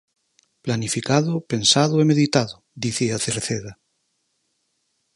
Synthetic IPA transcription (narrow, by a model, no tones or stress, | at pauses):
planifikaðope̞nsaðoemeðit̪aðo | d̪iθiaθeɾθeða